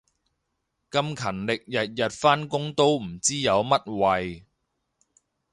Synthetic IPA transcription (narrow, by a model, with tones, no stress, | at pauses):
kɐ˧mkʰɐ˨˩nlɪ˨k̚jɐ˨t̚jɐ˨t̚faː˥nkʊ˥ŋt̪o˥wm̩˨˩t͡siː˥jɐ˨˧wmɐ˥t̚wɐ˨˧j